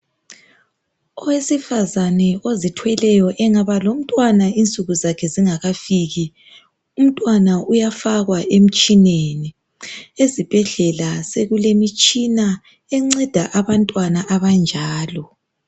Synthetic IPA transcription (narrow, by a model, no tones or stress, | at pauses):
ɔwesifazanɛozitʰwɛlɛjɔʔɛŋaβalom̩tʼwanaint͡sʼuɣuzakʰɛziŋaɣafiɣi | um̩tʼwanaʔujafaɣwaʔem̩t͡ʃʼineni | ezib̥ʱɛɮɛlaseɣulemit͡ʃʼina | ɛŋ͡ǀɛd̥ʱaʔaβantʼwanaʔaβand͡ʒʱaːlɔ